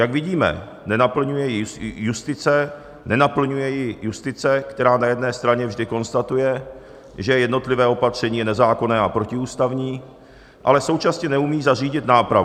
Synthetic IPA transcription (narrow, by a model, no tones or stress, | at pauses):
jaɡvɪɟiːmɛ̰ | nɛnapl̩ɲujɛjɪjust̪ɪt͡sɛ | nɛnapl̩ɲujɛjɪjust̪ɪt͡sɛkt̪ɛɾaːnajɛdnɛːst̪ɾaɲɛvʒdɪko̞nst̪at̪ujɛ | ʒɛjɛdno̞t̪lɪvɛːo̞pat̪r̝̥ɛɲiːjɛnɛzaːko̞nɛːapɾo̞cɪuːst̪avɲiː | ʔa̰lɛso̞wt͡ʃasɲɛnɛumiːzar̝iːɟɪt̪naːpɾav